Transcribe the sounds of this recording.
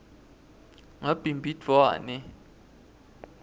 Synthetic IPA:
ŋab̥ʱimbʱidʱwaːnɛ

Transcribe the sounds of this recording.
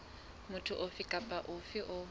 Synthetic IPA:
mʊtʰʊʔʊfɪkʼapʼaʔʊfɪʔʊ

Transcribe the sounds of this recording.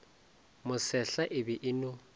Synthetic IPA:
mʊsɛɬaʔɪbɛʔɪnʊ

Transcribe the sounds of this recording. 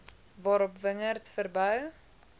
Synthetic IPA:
vɑːɾɔpvəŋərtfərbœw

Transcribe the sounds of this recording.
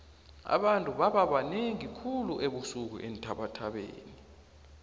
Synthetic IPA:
a̰ɓantʼuɓaɓaɓaneŋikʰuluʔeɓusuk̬ṵʔentʼʰaɓatʰaɓḛːni

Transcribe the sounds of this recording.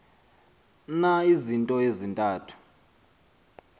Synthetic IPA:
naizintʼɔezintʼaːtʰu̥

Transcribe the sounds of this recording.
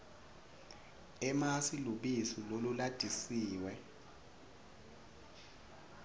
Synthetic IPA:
ɛmasiluɓisilolulad̥ʱisiːwɛ

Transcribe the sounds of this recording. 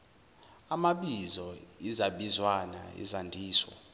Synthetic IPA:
amaɓizɔizaɓizwana̰ḭzandʱiːswa̰

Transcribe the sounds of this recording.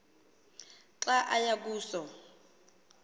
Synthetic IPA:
ǁaʔajak̬uːsɔ

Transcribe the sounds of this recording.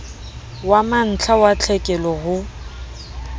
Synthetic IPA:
waman̩t͡ɬʰawat͡ɬʰɛkʼɛlɔɣʊ

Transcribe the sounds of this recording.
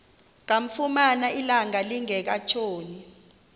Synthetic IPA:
k̬aɱ̩fumanailaŋaliŋɛk̬at͡ʃʰoːni

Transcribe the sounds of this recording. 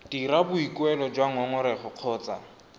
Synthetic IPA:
d̥iɾabʊikʼwɛlɔd͡ʒwaŋɔŋʊɾɛχʊq͡χʰɔːt͡sʼa̰

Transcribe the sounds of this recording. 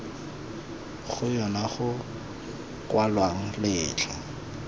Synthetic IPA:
ɣʊjɔnaχʊ | kʼwalwaŋ̩lɪːt͡ɬʰa

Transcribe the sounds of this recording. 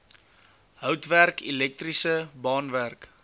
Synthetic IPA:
ɦœwtværkʰilɛk̚trisəbɑːnværk

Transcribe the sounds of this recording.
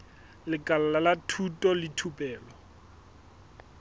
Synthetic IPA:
lɪkʼalalalatʰutʼɔlɪtʰupʼɛːlɔ

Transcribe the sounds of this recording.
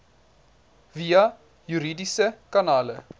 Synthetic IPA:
viɐ | jyɾidisəkanaːlə̰

